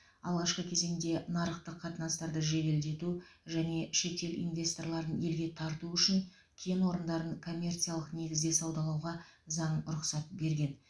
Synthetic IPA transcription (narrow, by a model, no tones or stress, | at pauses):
ɑlˠʁɑʃqəkʲʰe̞ze̞ŋd̪e̞nɑɾəqt̪əqʰːɑt̪ənɑst̪ɑɾd̪əʒe̞d̪e̞ld̪e̞t̪u | ʒæne̞ʃe̞t̪e̞lḭnvʲe̞st̪o̞rlˠɑɾənje̞lɡʲe̞t̪ʰɑɾt̪uʏʃɪn | kʲʰenwo̞ɾənd̪ɑɾənkʰo̞mʲːe̞rt̪sijalˠəqne̞ɡʲɪzd̪e̞sɑwd̪ɑlˠɑwʁɑzɑɴɾʊqsɑt̪̚be̞ɾɡʲe̞n